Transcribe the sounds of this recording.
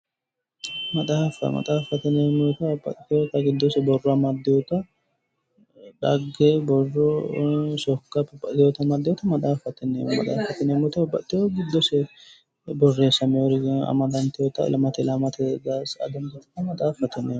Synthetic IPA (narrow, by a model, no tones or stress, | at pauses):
mɐt̪ʼaːfɐ̰mɐ̰t̪ʼaːfɐt̪ɛnemʊt̪ɐbɐ̰t̪ːɪjot̪ɐɡɪd̪ːɔsɛbɔrːɔɐmɐd̪ːɪjɔt̪ɐ | ᶑ̪ɐɡːebɔrːɔsɔkːɐbɐbɐɪjɔt̪ɐmɐd̪ːɪjɔt̪ɐmɐt̪ʼaːfɐt̪ɛnemɐd̪ʼaːfɐt̪ɐnemʊt̪ɐbɐ̰t̪ːɪjoɡɪd̪ːɔsɛ | bɔrːeːsɐmɛɔɾɐ̰mɐd̪ɐnt̪ɪjɔt̪ɐ̰lɐmɐt̪ɪlɐmɐt̪ɛzasɐ̰d̪ɐnd̪ɐt̪ːɐmɐt̪ʼaːfɐt̪ɐne